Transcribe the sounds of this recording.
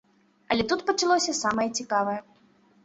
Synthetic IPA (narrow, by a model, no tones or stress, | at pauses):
ɐlʲɛt̪ut̪pɐt͡ʂalˠɔsʲɐsamɐjɐt͡sʲikavɐjɛ